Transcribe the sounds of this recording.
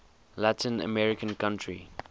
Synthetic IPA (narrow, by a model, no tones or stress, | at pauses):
latʰĩnə̰mɛɹɪkə̃nkãntʰɹḭ